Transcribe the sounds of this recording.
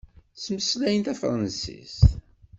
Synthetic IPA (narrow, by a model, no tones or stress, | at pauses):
sməslæjənt̪æfɾˤənsḭs